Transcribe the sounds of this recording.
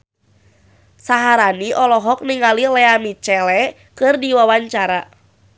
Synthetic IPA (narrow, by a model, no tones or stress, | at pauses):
saɦaɾaniʔɔlɔɦɔk̚niŋalilɛamit͡ʃɛlɛ | kɨrdiwawaɲt͡ʃaɾa